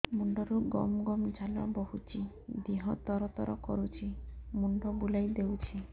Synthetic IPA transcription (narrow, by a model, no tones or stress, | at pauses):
muɳɖɔɾuɡɔ̰mɡɔmd͡ʒʱalɔ̰bɔɦut͡ʃʰi | d̪iɦɔt̪ɔɾɔt̪ɔɾɔkɔ̰ɾut͡ʃʰimuɳɖɔbulajd̪ewt͡ʃʰi